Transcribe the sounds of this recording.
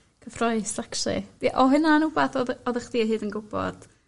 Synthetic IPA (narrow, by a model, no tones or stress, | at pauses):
kʰəfrɔɨsakʃɨ̰d̥iʔɔɦɨnanubaθɔðɔðəχd̥iɦɨːdənɡʊbɔ̰d̥